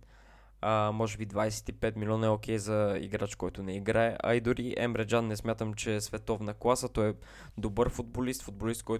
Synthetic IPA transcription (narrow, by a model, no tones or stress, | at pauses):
əmɔʒɛbid̪vajsɛ̥t̪ipɛt̪milʲɔnɐɛokʰɛjzɐḭɡɾat͡ʃkɔjt̪ʊnɛiɡɾaɛʔɐ̰id̪ʊɾiʔɛ̰mɾɛd͡ʒanːɛsmʲjat̪əmt͡ʃɛsvɛt̪ɔvnəklˠasət̪ɔɛ | d̪obɤɾfʊd̪̚bolist̪fʊd̪̚bolist̪̚kɔj